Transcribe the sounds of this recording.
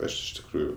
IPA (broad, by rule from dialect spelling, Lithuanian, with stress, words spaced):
ˈɐʃ ɪʃ tʲɪkˈruːjʊ